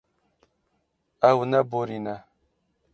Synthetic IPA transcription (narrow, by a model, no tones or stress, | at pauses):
awnaboɾina